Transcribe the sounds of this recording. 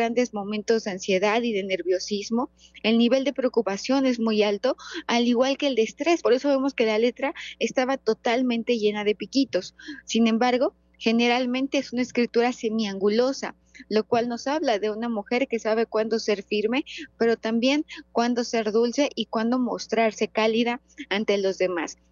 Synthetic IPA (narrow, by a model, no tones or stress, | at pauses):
and̪e̞zmo̞mẽnt̪o̞zðeansje̞ðaðiðe̞ne̞ɾβjo̞sizmo̞ | e̞lniβe̞ld̪e̞pɾe̞okupasjo̞ne̞zmujalt̪o̞aliɣwalke̞ːld̪e̞st̪ɾe̞spo̞ɾe̞so̞βe̞mo̞ske̞lale̞t̪ɾae̞st̪aβat̪o̞t̪almẽnt̪e̞ʝe̞nað̞e̞pikit̪o̞sːinẽ̞mbaɾɣ̞o̞ | xe̞ne̞ɾalmẽnt̪e̞esunaeskɾit̪uɾase̞miaŋɡulo̞sa̰ | lo̞kwalno̞saβlaðe̞unamuxe̞ɾke̞saβ̞e̞kwand̪o̞se̞ɾfiɾme̞pe̞ɾo̞t̪ambje̞ŋkwand̪o̞se̞ɾðulse̞ʔikwand̪o̞mo̞̰st̪ɾaɾse̞kaliðaː | nt̪e̞lo̞zðe̞mas